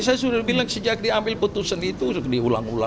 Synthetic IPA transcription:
sajasudabilaŋsəd͡ʒak̚diambɪlput̪usanit̪uskdiula̰ŋula̰

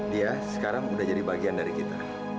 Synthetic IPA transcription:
diasə̥kaɾaŋudahd͡ʒadibaɡiandaɾikit̪a̰

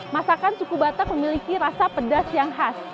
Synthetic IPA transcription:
masakansukubat̪ək̚məmilikiɾasapədasjaŋɦas

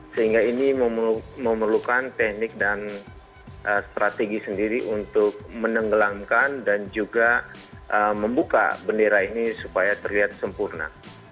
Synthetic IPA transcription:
səɦiŋɡainiməmməmərlukant̪ɛh̚nɪk̚dan | ʔəst̪ɾat̪eɡisəndiɾiʔunt̪ʊk̚mənəŋɡəlamkandand͡ʒuɡa | ʔəməmbuka̰bəndeɾainisupajat̪ərliɦat̪̚səmpurna̰

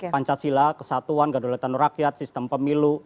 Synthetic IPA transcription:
paɲt͡ʃasilahkəsat̪uanɡadulat̪anuɾakjat̪̚sist̪əmpəmilu

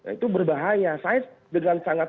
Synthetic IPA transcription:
ja̰it̪ubərbaɦajasasdəŋansaŋa

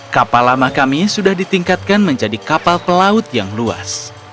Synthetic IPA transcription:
kapalamahkamisudahdit̪iŋkat̪̚kanməɲd͡ʒadikapalpəlaʊt̪̚jaŋlua̰s

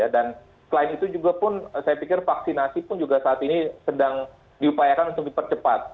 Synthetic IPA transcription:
jadan | səlaɪnit̪ud͡ʒuɡapʊnsajapikɪrfaksinasipʊnd͡ʒuɡasaːt̪inisədaŋ | diupajakanunt̪ʊk̚dipərt͡ʃəpat̪̚

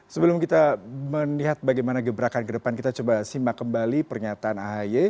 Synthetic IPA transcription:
səbəlʊmkit̪aməniɦat̪̚baɡajmanaɡəbɾakankədəpankit̪at͡ʃobasimakəmbalipərɲat̪aːnaɦaje

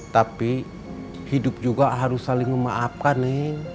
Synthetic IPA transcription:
t̪api | hidʊp̚d͡ʒuɡaɦaɾusːalɪŋməmaʔap̚kanɛŋ

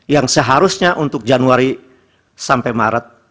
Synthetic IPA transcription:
jaŋsəɦaɾusɲaʔunt̪ʊk̚d͡ʒanuaɾi | sampɛjmaɾət̪̚

